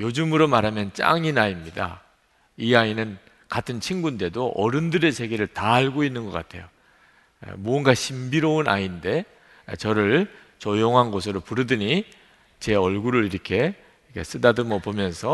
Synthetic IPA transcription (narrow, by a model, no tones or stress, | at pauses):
jod͡ʑumɯɾomaɾamjʌnt͡ɕ͈a̰ŋinaimɲida̰ | iainɯn | katʰɯnt͡ɕʰiŋɡunde̞doʔʌɾɯndɯɾe̞sʰe̞ɡeɾɯɭtaːɭɡoinːɯnɡʌk͈a̰tʰe̞jo̰ | muʌnɡaɕʰimbiɾouna̰inde̞ | t͡ɕʌɾɯɭ | t͡ɕʌjoŋɦanɡos̬ʰɯɾopuɾɯdɯɲi | t͡ɕe̞ʌɭɡuɾɯɾiɾʌkʰe̞ | kʰes͈ɯdadomʌpomjʌnsʰʌ